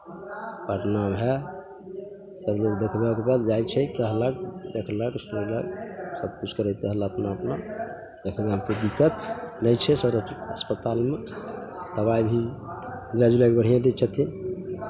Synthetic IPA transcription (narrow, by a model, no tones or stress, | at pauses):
pəʈnabɦɛ | səbloɡd̪ekʰbekebad̪d͡ʒajt͡ʃʰɛk̪əɦlək̚d̪ekʰləksɾləksəb̚kut͡ʃʰkəɾət̪əɦəlaəpnaəpna | d̪ekʰəbeɦəmped̪ikət̪nəjt͡ʃʰɛsəɾəəspət̪almet̪əbajbʱi | lad͡ʒulakbəɽ̤ijãd̪et͡ʃʰət̪ʰi